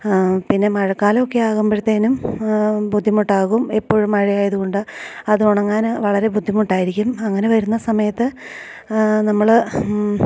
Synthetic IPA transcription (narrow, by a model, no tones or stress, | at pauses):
pinːe̞mɐɻɐkːaːlo̞kːeaːɣumbɐɽt̪ːeːnum | bud̪ʱːimuʈːaːɣumepːo̞ːɻumɐɻijaːjɐðuɣo̞ɳɖɨɐðuoɳɖɐŋːanɨʋɐɭɐɾe̞bʱud̪ʱːimuʈːaːjiɾikʲːumɐŋːɐne̞ʋɐɾunːɐsɐmɐjɐt̪ːɨ | nɐmːɐɭ